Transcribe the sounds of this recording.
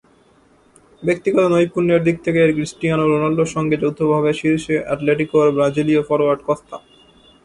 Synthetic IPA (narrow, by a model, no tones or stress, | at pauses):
bek̚t̪iɡɔt̪onojpuɾneɾd̪ik̚t̪ʰekeɾɡɾisʈianoɾonalɖoʃɔŋɡed͡ʑowd̪ʱːobʱaβeʃiɾʃeʔaʈleʈikoɾbɾad͡ʑiliofɔɾoaɾɖkɔtt̪ʰa